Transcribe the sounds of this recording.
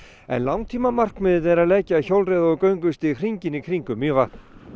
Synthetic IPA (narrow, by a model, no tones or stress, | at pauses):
ɛ̰nlawŋt̪ʰiːmamar̥kmɪðɪt̪ɛɾaðlɛːcaːçawlrejðaɔkœːɥŋkʏst̪ɪkʰriɲcɪnikʰɾiŋkʏmjœːvaht̪n̥